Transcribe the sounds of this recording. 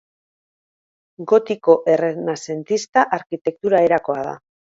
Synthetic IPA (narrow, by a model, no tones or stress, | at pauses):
ɡo̞t̪iko̞ʔe̞renase̞nt̪ist̪aʔaɾkit̪e̞k̚t̪uɾae̞ɾako̞aða̰